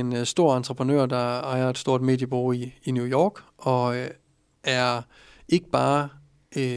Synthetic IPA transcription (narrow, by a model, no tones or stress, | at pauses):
ensd̥o̝ɐ̰ɑ̈nt͡sʰʁəpʰʁənø̰ɐ̰d̥ɑ̈ɑ̈ɪɐe̝d̥sd̥o̝ɐ̰d̥me̝̰ːd̥jəb̥o̝ːiːnjujɒːɡ̥ʔɒ̽ | æɐ | e̝ɡ̥əb̥ɑ̈ː